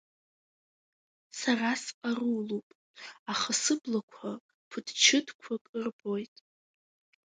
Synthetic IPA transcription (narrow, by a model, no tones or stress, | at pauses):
sarasarulupʼ | aχasɨblakʷʰa | pʰʊdʰt͡ʃʰɪdkʷʰakʼɨrbo̞jtʼ